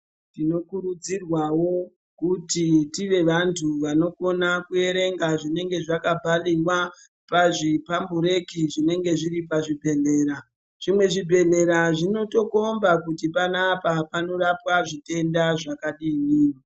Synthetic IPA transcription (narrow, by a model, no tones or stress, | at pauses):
ntino̞kuɾud͡zirwawo̞ | kutitiʋe̞ʋantʰuʋano̞ko̞nakue̞ɾe̞ŋɡaʐine̞ŋɡe̞ʐakabʱalirwa | paʐipambuɾe̞kiʐine̞ŋɡe̞ʐiɾip̬aʐibʱe̞ɮe̞ːɾa | ʐ̥imwe̞ʐibʱe̞ɮe̞ɾaʐino̞to̞ko̞mbakutipanapapano̞rapwaʐite̞ndaʐakaɗiniːni